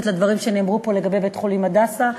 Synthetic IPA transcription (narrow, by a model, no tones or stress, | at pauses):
t̪lad̪vaʁimʃe̞neːmʁupo̞le̞ɡabe̞jbetχolimadasa